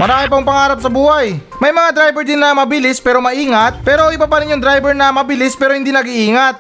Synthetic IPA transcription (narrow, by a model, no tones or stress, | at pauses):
mɐɾaːmɪp̬ɐʊŋpɐŋaːɾɐp̚sɐbuːhaj | mɐjmɐŋad̪ɾajbɛɾd̪ɪnːɐmɐbɪlɪspɛːɾo̞mɐʔiːŋɐt̪̚pɛːɾo̞ʔɪbapɐɾɪnoŋd̪ɾajbɛɹnɐmɐbɪlɪspɛːɾohɪnd̪inɐɡiʔiːŋɐt̪̚